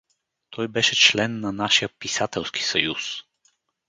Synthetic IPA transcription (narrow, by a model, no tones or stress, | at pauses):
t̪ʰɔjbɛʃɛt͡ʃlɛnːɐnaʃijəpisat̪ɛlˠskʰi̥sɐjus